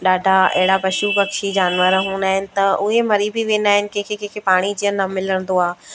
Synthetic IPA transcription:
ɗaːɖʱaɐ̰ɦɪɽapɐʃubɐkʃid͡ʑaːnʋəɾɦũːnd̪aːɦɪnɪ̆t̪ɐʔʊɦemɐɾibʱiʋẽːnd̪aːɦɪnɪ̆kẽːkʰekẽːkʰepaːɽ̃id͡ʑijənnɐmɪləɽ̃nd̪oaː

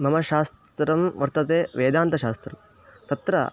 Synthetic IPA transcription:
mɐmɐʃaːst̪ɾɐmʋɐɾt̪ɐt̪eːʋeːd̪aːnt̪ɐʃaːst̪ɾɐm | t̪ɐt̪ɾɐ̰

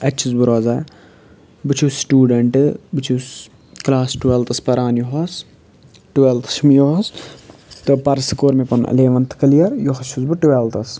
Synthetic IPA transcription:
ɐtt͡ʃʰuzbɨɾoːzaː | bɨt͡ʃʰusʈuːɖɐɳʈɨbɨt͡ʃʰus | klaːsʈuʋeːlt̪ɐspɐɾaːnjoɦɐs | ʈuʋeːlt̪ʰɐ̥ʃmijoɦs | t̪ɨpɐɾsɨkoːɾmipɐnɐ̰leːʋɐnt̪ʰɨ̥kɐlijɐɾjoɦɐt͡ʃʰuzbɨʈuʋeːlt̪ɐs

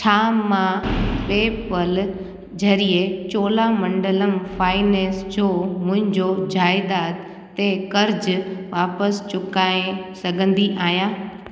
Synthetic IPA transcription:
t͡ɕʰaːmãpeːpəl | d͡ʑɐɾiet͡ɕoːlamɐ̃ɳɖələmfaːɪneːsd͡ʑoːmʊ̃ɦɪ̃ɲd͡ʑod͡ʑaːɪd̪aːt̪ː | ekɐɾd͡ʑʋaːpəst͡ɕʊkaːẽsɐɡʱə̃nd̪iʔaːɦjaː

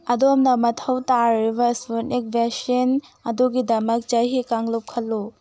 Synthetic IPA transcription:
ɐdomnɐmɐtʰɐwtaɾibɐsputnik̚bʱesɐnɐduɡidɐmɐk̚t͡ʃɐjɦikaŋlup̚kʰɐlːu

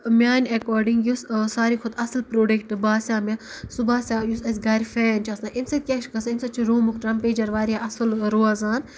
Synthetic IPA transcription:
mʲaːnʲɐkoːɾɖiŋɡjussaːɾikʰʊd̪ɐsɐlpɾoːɖekʈɨbaːsʲaːmʲɐsubaːsʲaːjusɐsʲɡɐɾʲfeːnt͡ʃʰɐsnaʔinsɐt̪̚ʲkʲaʃʰkɐsinsɐt͡ʃʰiɾuːmukʈɾɐmpeːd͡ʒɐɾʋaːɾiaʔɐsɐlɾoːazaːn

